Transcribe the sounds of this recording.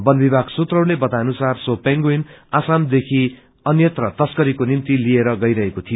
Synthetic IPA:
bʌnbibʱaɡsut̪rʌwlebʌt̪anusarsopeŋɡoinasamd̪ekʰi | ʌnjʌt̪rʌt̪ʌskʌɾikonint̪ilieɾʌɡʌjɾʌɦekot̪ʰijo

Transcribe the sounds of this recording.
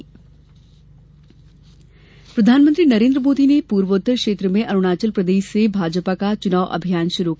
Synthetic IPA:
pɾɐd̪ʱaːnmənt̪ɾinɐɾẽːnd̪ɾəmoːd̪inepuːɾʋoːt̪ːəkʃeːt̪ɾəmẽʔɐɾuɽ̃aːt͡ɕəlpɾɐd̪eːʃsebʱaːd͡ʒəpakat͡ʃʊnaːʋʔɐ̰bʱijaːnʃʊɾuk

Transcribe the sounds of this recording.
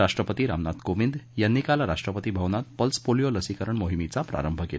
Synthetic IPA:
aʂʈɾəpət̪iɾa̰mnat̪koʋind̪jənːikalɾaʂʈɾəpət̪iːbʱəwnat̪̚pəlspolijoləsikəɾəɳmoɦimit͡sapɾa̰ɾəmbʱəke

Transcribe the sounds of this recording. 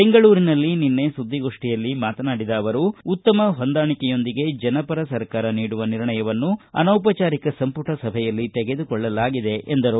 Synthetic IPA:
beŋɡɐɭuːɾinɐlːininːe̞sud̪ʱːiɡo̞ːʂʈijɐlːimaːt̪ɐnaːɽid̪ɐːʋɐɾuːt̪ːɐmɐɦo̞nd̪aːɳikɛjo̞nd̪iɡe̞d͡ʒɐnɐpɐɾɐsɐɾkaːɾɐniːɽuʋɐniɾɳɐjɐʋɐnːuɐ̰nɐwp̬ɐt͡ʃaːɾikɐsɐmpuʈʰɐsɐbʱɛjɐlːit̪eɡe̞d̪ukɔɭːɐlaːɡid̪e̞ʔend̪ɐɾu

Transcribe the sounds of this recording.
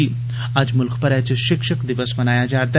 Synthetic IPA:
i | ɐd͡ʒmʊlkʰpəɾɛːt͡ʃʃɪkʃəkd̪ɪʋəsmɐnaːjad͡ʒaːɾt̪a

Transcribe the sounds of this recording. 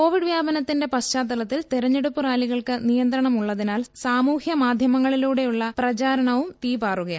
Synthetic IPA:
ko̞ːʋiɖʋjaːbɐnɐt̪ːinde̞pɐst͡ɕaːd̪ːɐlɐt̪ːilt̪iɾɐɲːeɽupːuraːliɣɐɭkɨnijɐnd̪ɾɐɳɐmuɭːɐðinaːlsaːmuːhjɐmaːd̪ʱjɐmɐŋːɐɭiluːɽe̞juɭːɐprɐt͡ɕaːɾɐɳɐʋumt̪iːbaːruɣɐj

